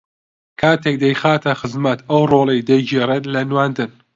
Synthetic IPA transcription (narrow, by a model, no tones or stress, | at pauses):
kʰaːt̪ʰek̚d̪ɐjxaːt̪ʰɐxɨzmɐt̪ʰɐwroːlˠejd̪ɐd͡ʒeɾelɐnwaːnd̪ɨn